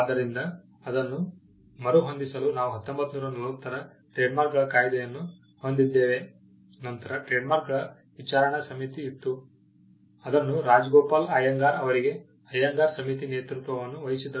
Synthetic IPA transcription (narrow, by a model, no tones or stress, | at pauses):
d̪ːɐɾind̪ɐ | ɐd̪ɐnːu | mɐɾuɦo̞nd̪isɐlunaːʋuɦɐt̪ːombɐt̪ːnuːɾɐnɐlʋɐt̪ːɐɾɐ | ʈɾeːɖmaːɾkɡɐɭɐkaːjd̪ɛjɐnːu | hond̪id̪ːe̞ːʋe̞ | nɐnt̪ɐɾɐʈɾeːɖmaːɾkɡɐɭɐ | ʋit͡ʃaːɾɐɳɐsɐmit̪iːt̪ːu | ɐd̪ɐnːuɾaːd͡ʒɡɔːpaːlaːjɐŋɡaːɾɐʋɐɾiɡe̞ | ɐjɐŋɡaːɾsɐmit̪ineːt̪ɾut̪ʋɐʋɐnːuʋɐjisid̪ɐ